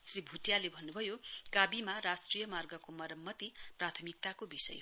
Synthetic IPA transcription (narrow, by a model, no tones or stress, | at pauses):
sribʱuʈjalebʱʌnːubʱʌjokabimaɾasʈrijʌmarɡʌkomʌɾʌmːʌt̪iprat̪ʰʌmik̚t̪akobisʌ̰j